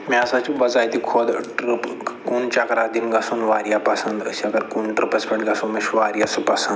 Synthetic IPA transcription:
maːsat͡ʃibɐzaːjt̪ikʰod̪ʈɾɨpkunt͡ʃɐkɾad̪inɡɐsunʋaːɾijapɐsɐnd̪ə̰siɐkɐɾkunʈɾɨpɐspʲeɳʈɡɐsũnmeʃʋaːɾijasupɐsɐ̃nd̪

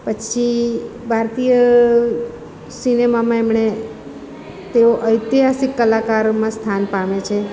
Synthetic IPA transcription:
pət͡ʃʰibʱaɾt̪ijə | sinemamãemɳe | t̪eoʔəjt̪iɦasikːəlakaɾmãst̪ʰanpamet͡ʃʰe

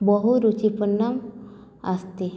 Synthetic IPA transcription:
bɔɦuɾut͡ʃipənːam | ast̪i

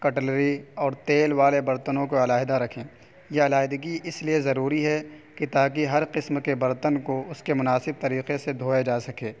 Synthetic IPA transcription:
kɐʈəlɾiɔːɾt̪eːlʋaːlebɐɾt̪ənõkoɐlaːɦɪd̪aɾɐkʰẽː | jeɐlaːɦd̪əɡiɪsliezɐɾuːɾiɦɛkit̪aːk̬iɦɐɾqɪsmkebɐɾt̪ənkoʊskemʊnaːsɪb̚t̪ɐɾiːqesed̪ʱoːed͡ʒaːsɐkeː

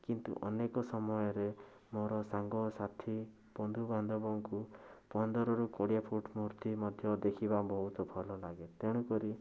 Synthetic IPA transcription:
kint̪ṵʔɔnekɔsɔmɔjɔɾe | moɾɔsaŋɡɔsat̪ʰi | pɔnd̪ʱuband̪ʱɔbɔŋkupɔnd̪ɔɾɔɾukɔɽijapʰuʈmuɾt̪imɔd̪ʱjɔd̪ekʰibabɔɦut̪ɔbʱɔlɔlaɡet̪eɽ̃ukɔɾi

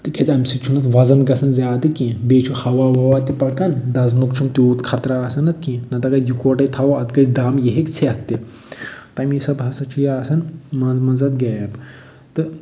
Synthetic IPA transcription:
t̪ɨkʲɐt͡sʲɐmsit͡ʃʰunɐt̪ʋɐzɐnɡɐsɐnzʲaːd̪ɨkĩbeːt͡ʃʰuhɐʋaːʋɐʋat̪ipɐɾkɐnd̪ɐznukt͡ʃʰumt̪ʲoːt̪kʰɐt̪ɾaːsɐnɐt̪kĩnɐt̪ɐɡɐjukoːʈɐt̪ʰɐwɐɐt̪ɡɐt͡sd̪aːmjeɦekt͡sʰeɐt̪ːi | t̪ɐmisɐbɦɐsɐt͡ʃʰujaːsɐnmɐzmɐzɐt̪̚ɡɐjɐb | t̪ɨ

